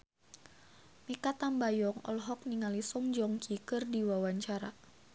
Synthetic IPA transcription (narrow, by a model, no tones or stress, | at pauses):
mikat̪ambajɔŋɔ̰lɦɔk̚niŋalisɔŋd͡ʒɔŋkikɨrdiwawaɲt͡ʃaɾa